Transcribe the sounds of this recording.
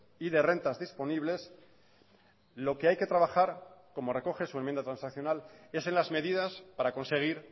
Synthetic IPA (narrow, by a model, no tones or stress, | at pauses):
iðe̞re̞nt̪azðispo̞niβle̞s | lo̞ke̞ajke̞t̪ɾaβaxaɾko̞mo̞re̞ko̞xe̞suemjend̪at̪ɾãnsakθjo̞nale̞se̞nlazme̞ðiðaspaɾako̞nse̞ɣ̞iɾ